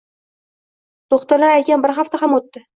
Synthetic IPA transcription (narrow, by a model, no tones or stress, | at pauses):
t̪oχt̪aɾlaɾakʲanbɪɾχaft̪aɦamot̪ːɪ